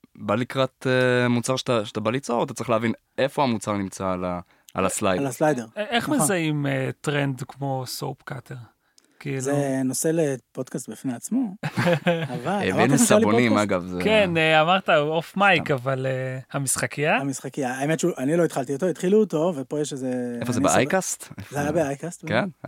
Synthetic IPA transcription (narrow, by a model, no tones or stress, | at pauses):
balikʁat̪emut͡saʁʃe̥t̪aʃḁt̪abalit͡so̞ʁat̪ḁtt͡sʁiχleavin | efo̞hamut͡saʁnimt͡sala | a̰laslajaslajdeʁeχmezaimetʁendkmo̞sowpkat̪ʰeʁ | kiiːlenoselepod̪kast̪̚bifneat͡smo | avanusabonimaɡavzekeneamaʁt̪aofmajkavalehamisχakijamisχakiaːemetʃuʔaniloit̪χalt̪iot̪oit̪χiluːt̪o̞vepojeʃezeefozebeajkast̪ezeajabeajkast̪ken